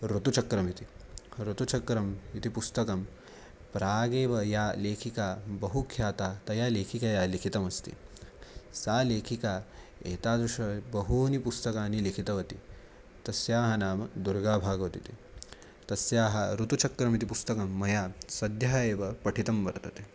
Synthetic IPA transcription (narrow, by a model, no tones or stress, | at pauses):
ɾut̪ut͡ʃɐkɾɐmit̪iɾut̪ut͡ʃɐkɾɐmit̪ipust̪ɐkɐm | pɾaːɡeːʋɐjaːleːkʰikaːbɐɦukʰjaːt̪aːt̪ɐjaːleːkʰikajaːlikʰit̪ɐmɐst̪ḭ | saːleːkʰikaːeːt̪aːd̪ɾuʃɐbɐɦuːnipust̪ɐkaːnilikʰit̪ɐʋɐt̪i | t̪ɐsjaːɦɐnaːmɐd̪uɾɡaːbʱaːɡɐʋɐt̪it̪i | t̪ɐsjaːɦɐɾut̪ut͡ʃʰɐkɾɐmit̪̬ipust̪ɐkɐmːɐjaːsɐd̪ʱjaɦeːʋɐpɐʈʰit̪ɐmʋɐɾt̪ɐt̪e̥ː